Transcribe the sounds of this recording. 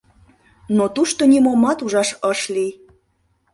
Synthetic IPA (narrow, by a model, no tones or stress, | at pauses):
not̪uʃt̪onimomːɑt̪uʒɑʃəʃlij